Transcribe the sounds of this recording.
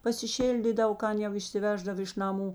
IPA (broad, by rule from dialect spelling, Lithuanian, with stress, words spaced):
pɐsʲɪˈʃʲɪlʲdʲiːdɐw ˈkɐn jɛʊ ɪʃʲsʲɪˈʋʲæːʒdɐw ɪʃ nɐˈmuː